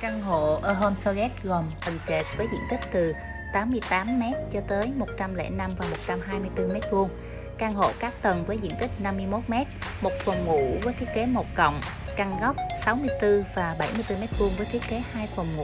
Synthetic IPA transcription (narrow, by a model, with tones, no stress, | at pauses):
kaː˧ŋɦo̰˧˨ʔəː˧˩ɦo˧nsə˧ɣɛ˦˥t̚ɣɔ˨˩mt̪ə˨˩nt͡ɕe˨˩t̚vəː˨˦jzḭ˧ənt̪ï˦˥k̟̚t̪ɨ˨˩ | t̪aː˨˦mːɨ˧əjt̪aː˨˦mːɛ˦˥t̚t͡ɕɔ˧t̪əː˨˦jmo˨˩t̚t͡ɕa˧mlɛ̰˧˥na˧mvaː˨˩mo˨˩t̚t͡ɕa˧mɦaː˧jmɨ˧əjt̪ɨ˧mɛ˦˥t̚vu˧əŋ | kaː˧ŋɦo̰˧˨kaː˦˥k̚t̪ə˨˩nvəː˨˦jzḭ˧ənt̪ï˦˥k̟̚na˧mːɨ˧əjmo˦˥t̚mɛ˦˥t̚mo˨˩t̚fə˨˩wŋ͡mŋṵ˧˩˥vəː˨˦jt̪i˦əke˨˦mo˨˩t̚kə̰˧˨wŋ͡m | ka˧ŋɣa˦˥wk͡p̚sa˨˦wmɨ˧əjt̪ɨ˧vaː˨˩ɓa˧˩jmɨ˧əjt̪ɨ˧mɛ˦˥t̚vu˧əŋvəː˨˦jt̪i˦˥əke˨˦haː˧jfə˨˩wŋ͡mŋṵ˧˥